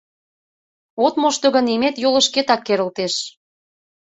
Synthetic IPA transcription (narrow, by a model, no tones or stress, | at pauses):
ot̪moʃt̪ɤ̆ɣə̆nimet̪jolə̆ʃket̪ɑkːeɾə̆lt̪eʃ